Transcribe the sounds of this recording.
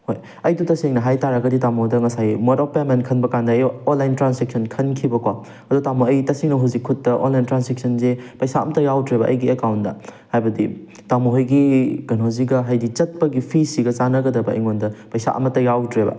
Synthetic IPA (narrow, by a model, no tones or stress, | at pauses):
hoj | ɐjdutɐseŋnɐɦajtaɾɐɡɐditamodɐŋɐsajmɔɾɔpemenkʰɐnbɐkandɐjonlajntɾansek̚sʰɐnkʰɐnkʰibɐkwa | ɐdutamoɐjtɐsiŋnɐɦazikʰːutːɐʔo̰nlajntɾansek̚sʰɐnzepɐjsaɐ̰mɐtɐjawtɾebɐʔɐ̰jɡiekawntdɐ̰ | hajbɐdi | tamoɦojɡiɡ̥ɐnoziɡɐɦajdit͡ʃɐt̚pɐɡipʰisiɡɐt͡ʃanɐɡɐdɐbɐḭŋondɐpɐjsa̰ʔɐ̰mɐtɐjawtɾebɐ̰